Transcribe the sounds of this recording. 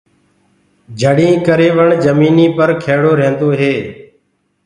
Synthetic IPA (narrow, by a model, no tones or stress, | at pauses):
d͡ʒʱəɽĩːkəɾeːʋəɳd͡ʒəmiːniːpəɾkʰeːɽoːɾẽːnd̪oːɦeː